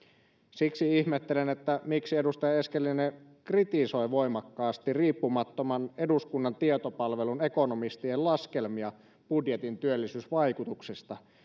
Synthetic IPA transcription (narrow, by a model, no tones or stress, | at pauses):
siksiiçmet̪ːe̞lenet̪ːæmiksie̞dust̪ɑjɑeskelːinekrit̪iso̞jʋo̞jmɑkːɑːst̪irriːpːumɑt̪ːo̞mɑne̞duskunːɑnt̪iet̪o̞pɑlʋe̞lune̞ko̞no̞mist̪iellɑske̞lmiɑ | b̥udje̞t̪int̪yølːisyːsʋɑjkut̪uksest̪ɑ